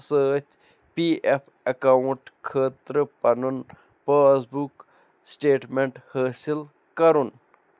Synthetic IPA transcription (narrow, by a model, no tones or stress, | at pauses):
səːt͡ʃ | piːepʰ | ɐkɐuɳʈkʰəːt̪ɾəpɐnun | pəːsbuk | sʈeːʈmeɳʈhəːsil | kɐɾun